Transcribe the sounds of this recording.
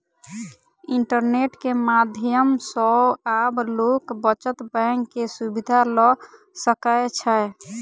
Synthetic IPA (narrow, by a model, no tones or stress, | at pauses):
iɳʈəɾneʈkemad̪ʱjəmsɔablokbət͡ʃət̪bəŋɡkːesubid̪ʱalɔ | səkəet͡ʃʰəj